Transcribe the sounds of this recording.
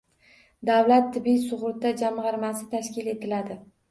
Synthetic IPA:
d̪avlat̪ʰːɪbijsʊʁɾʊt̪ʰːad͡ʒamʁɑɾmasɪt̪ʰaʃkʲɪle̞t̪ʰɪlad̪ɪ

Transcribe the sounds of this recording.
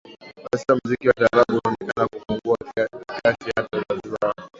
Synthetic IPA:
masiam̩zikiwataɾaɓuuɔnɛkanakufuŋɡuakiasiatɔzazua

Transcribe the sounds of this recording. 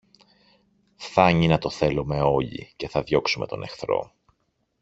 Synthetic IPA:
fθɐɲinɐt̪o̞θe̞lume̞o̞ʎḭce̞θɐðjo̞ksume̞t̪o̞ne̞xθɾo̞̰

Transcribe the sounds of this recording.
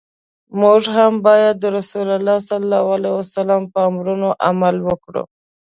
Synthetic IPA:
mʊʐɦambɑjad̪ːəɾasulalːɑsalːɑwalewasalampəamɾunoʔamalwəkɽṵ

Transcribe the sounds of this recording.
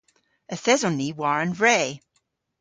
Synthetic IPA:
əθɛzɔnːiwaɹə̃nvɹɛː

